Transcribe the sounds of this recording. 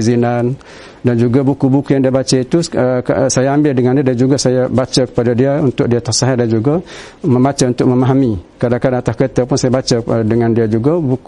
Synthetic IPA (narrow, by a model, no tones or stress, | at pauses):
zinan | dand͡ʒuɡabukubukujaŋdiabat͡ʃait̪uəsajaambɪldəŋandiadand͡ʒuɡasajabat͡ʃakə̥padadiaunt̪ʊk̚diat̪asaɦadand͡ʒuɡa | mə̃mbat͡ʃaunt̪ʊk̚məmaɦamikadaŋkadaŋat̪askət̪apʊnsajabat͡ʃadəŋãndiad͡ʒuɡabuk